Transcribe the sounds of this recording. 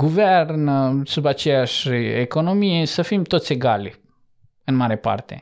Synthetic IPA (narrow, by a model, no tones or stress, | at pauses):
ɡuvernsubat͡ʃe̞jaʃʲeko̞no̞mije̞səfimt̪o̞t̪sʲe̞ɡalʲ | ɨnmaɾe̞pa̰rt̪e̞̰